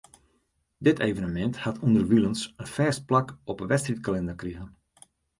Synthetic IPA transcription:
dɪtʰejvənəmɛnthatʰundərʋilˠənsənfɛːst̚plakɔpənʋɛstritkalɛndərkriəɣən

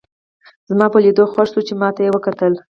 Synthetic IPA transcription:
zmɑpəlid̪oxwaʂsut͡ʃemɑt̪ajewəkat̪əl

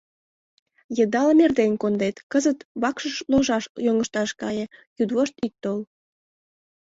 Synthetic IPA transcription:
jəd̪ɑlmerd̪enʲkond̪et̪kəzət̪βɑkʃəʃloʒɑʃjoŋəʃt̪ɑʃkɑjĕjud̪βoʃt̪ik̚t̪ːol

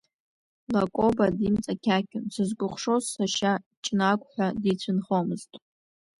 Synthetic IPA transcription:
lakʼobadimt͡sʼakʲʰakʲʰʊnsɨzɡʷʊχʷʂozːaʃat͡ʃʼnakʷʼħʷᶣadit͡ɕʷʰɨnχomɨztʼ

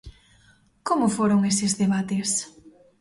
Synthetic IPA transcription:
komʊfoɾoŋesɪzðeβat̪es

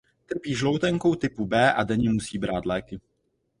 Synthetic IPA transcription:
t̪r̩piːʒlo̞wt̪ɛŋko̞wt̪ɪpubɛːʔadɛɲɛmusiːbɾaːt̪lɛːkɪ

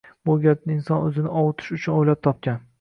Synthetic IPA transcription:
boɡʲat̪̚nɪɪnsɒnɵzɪnɪʔɒwʊt̪ʰɪ̥ʃʊt͡ʃʰʊnojlap̚t̪ʰɒp̚kʲan

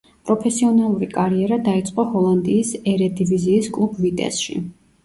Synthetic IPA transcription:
pʼɾɔpʰɛsiɔnalˠuɾikʼaɾiɛɾad̪ait̪sʼqʼɔhɔlˠand̪iːsɛɾɛd̪iviziːskʼlˠubvit̪ʼɛ̰sʃḭ

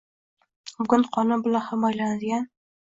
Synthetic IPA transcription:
bʊɡʊnqʰɒnɪbʊlaχamɒjland̪ɪɡʲan

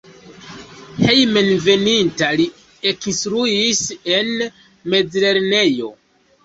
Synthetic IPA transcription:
he̞jme̞nve̞nintali | ekinstɾuise̞n | me̞d͡zle̞ɾne̞jo̞̰

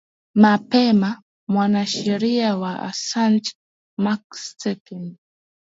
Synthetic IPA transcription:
mapema | mwanaʃaɾiawaa̰sant͡ʃ | makstekɛn

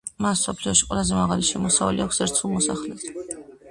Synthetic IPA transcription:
masːɔpʰliɔʃi̥qʼwɛlˠazɛmaʁaliʃɛmɔsavɛlḭakʰʷsɛɾt̪sʰulˠmɔsaχlɛs

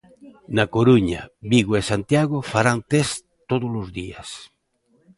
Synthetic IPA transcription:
nakoɾuɲa̰biɣoesant̪jaɣofaɾant̪es | t̪oðolozðias

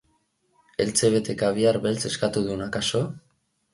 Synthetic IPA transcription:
e̞lt͡se̞β̞e̞t̪e̞kaβ̞iarβe̞lt͡se̞skat̪uðunakaso̞

